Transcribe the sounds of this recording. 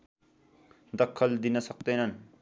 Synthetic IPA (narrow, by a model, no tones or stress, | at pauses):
d̪ʌkʰːʌld̪inʌsʌk̚d̪ʌjnʌn